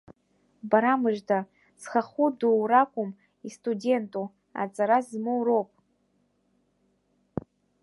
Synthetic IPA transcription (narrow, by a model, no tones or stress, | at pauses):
baɾamɨʒdʰa | z̥χaχuduwrakʷʼʊm | istʼude̞ntʼu | a̰t͡sʼaɾazmɨwɾowpʼ